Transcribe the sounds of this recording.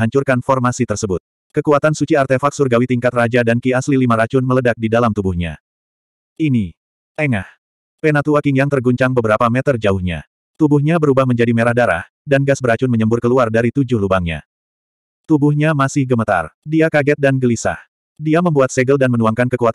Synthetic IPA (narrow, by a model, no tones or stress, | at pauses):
aɲt͡ʃurkanfɔrmasit̪ərsəbʊt̪̚ | kəkuat̪ansut͡ʃiart̪efak̚surɡawit̪iŋkat̪rad͡ʒadankiaslilimaɾat͡ʃʊnmələdak̚didalamt̪ubuhɲa̰ | ini | eŋah | penat̪uakiŋjaŋt̪ərɡuɲt͡ʃaŋbəbəɾapamɛt̪ərd͡ʒaʊhɲa̰ | t̪ubuhɲabəɾubahməɲd͡ʒadimeɾahdaɾa̰h | danɡasbəɾat͡ʃʊnməɲəmbʊrkəluardaɾit̪ud͡ʒʊhlubaŋɲa̰ | t̪ubuhɲamasɪhɡəmət̪a̰rdiakaɡɛt̪̚danɡəlisa̰h | diaməmbuat̪̚seɡəldanmənuaŋkankəkuat̪